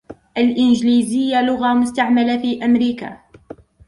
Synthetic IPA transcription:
ʔalʔɪnd͡ʒliːzɪjːalʊɣamʊst̪aʕmalafiːʔamɾiːka̰

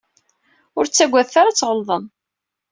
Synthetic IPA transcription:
ʊɾt͡sːæɡʷːæðθaɾat͡sːʁəlðˤən

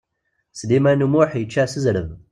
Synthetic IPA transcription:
slimænumuħjət͡ʃːasəzɾəm

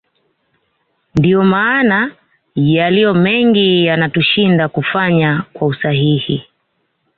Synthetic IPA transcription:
ndiɔmaːna | jalijɔmɛŋɡijanatuʃindakufaɲakwausahihi

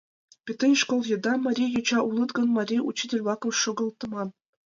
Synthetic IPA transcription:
pʲet̪ɑiʃkolˠjɤ̆d̪ɑmɑɾʲijut͡ɕɑʔulˠɤ̆t̪ɡɤ̆nmɑrʲiṵt͡ɕːid̪ʲelʲvˠɑkowʃŏɡɤ̆lˠt̪ːɤ̆mɑn

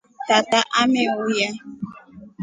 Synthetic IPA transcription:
tataʔamewuja

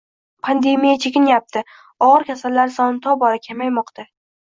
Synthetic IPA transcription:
pʰand̪e̞mijat͡ʃʰekʲɪnjap̚t̪ʰɪ | ɒʁɨɾkʲʰasalːaɾsɒnɪt̪ʰɒbɒɾakʲʰamajmɒqt̪ʰa

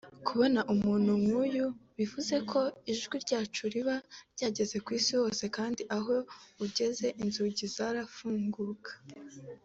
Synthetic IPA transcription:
kuβo̞naʔumuːn̥humŋuːjuβivuze̞kʰo̞iʒɡwiɾɟaːt͡ʃuɾiβaɾɟaːɟe̞ze̞kwiːsiwo̞ːse̞kaːndiʔaɦo̞uɟe̞ze̞ʔinzuɟizaɾafuːŋɡukḁ

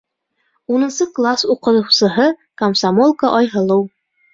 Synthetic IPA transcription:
unɤ̆nsɤklˠasuqɤ̆tɤ̆wsɤ̆ɦɤkɐmsamolˠkəʔɒjɦɤ̆lˠɤw

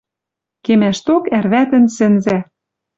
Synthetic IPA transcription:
kemæʃt̪okærβæt̪ɘ̆nsɘ̆nzæ

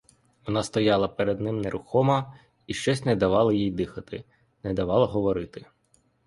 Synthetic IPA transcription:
ʋɔnɑst̪ɔjɑlˠɐpeɾed̪nɪmneɾʊxɔmɐ | iʃt͡ʃɔsʲnɛd̪ɐʋɑlˠɐjijd̪ɪxɐt̪ɪ | nɛd̪ɐʋɑlˠɐɦɔʋɔɾɪt̪ɪ

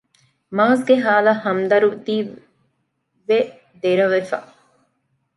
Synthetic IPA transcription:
maːsɡeɦaːlɐhɐmd̪ɐɾud̪iː | ʋe | d̪eɾɐʋefa̰

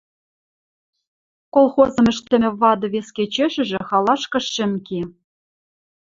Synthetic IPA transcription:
kolˠxozɤ̆mɘ̆ʃt̪ɘ̆mʲɘ̆βɑd̪ɤ̆βesket͡ɕeʃɘ̆ʒɘ̆xɑlˠɑʃkɤ̆ʃɘ̆mki

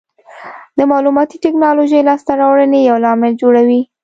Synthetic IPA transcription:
d̪əmɑlumɑt̪iʈɪknɑloʒəjlɑst̪aɾɑwɽənejawlɑmɪld͡ʒoɽawi

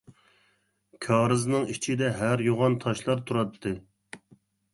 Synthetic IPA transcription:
kʲʰɑːɾɨznɨŋit͡ʃʰid̪ɛɦæɾjoʁɑnt̪ʰɑʃlˠɑɾt̪ʰuɾɑt̪ʰːɨ

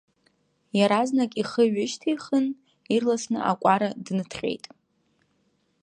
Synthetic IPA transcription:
jaɾaznakʼiχəɥɪʃtʰijχən | irlasnɨ̰ʔa̰kʷʼaɾadnɨtʰχʲḛjtʼ

